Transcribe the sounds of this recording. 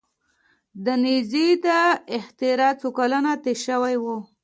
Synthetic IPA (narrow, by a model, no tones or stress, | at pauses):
d̪ənizid̪aɪxt̪iɾɑt͡sukalənat̪eʃəwajwu